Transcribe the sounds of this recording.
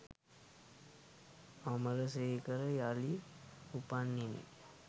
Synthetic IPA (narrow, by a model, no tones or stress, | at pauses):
amələseikəɾəjaliupanːinḭ